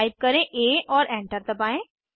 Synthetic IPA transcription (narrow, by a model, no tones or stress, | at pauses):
ɪb̚kɐɾẽʔeːʔɔːɾɛ̃ːɳʈəɾt̪ɐpaːẽː